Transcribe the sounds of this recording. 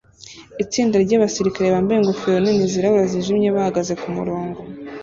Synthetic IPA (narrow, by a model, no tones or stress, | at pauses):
it͡siːndaɾɟaːβasiɾikaɾe̞βaːmbaje̞ŋɡofejoniniziɾaββaziʒimɲe̞βahaɡaze̞kumṵɾoːŋɡo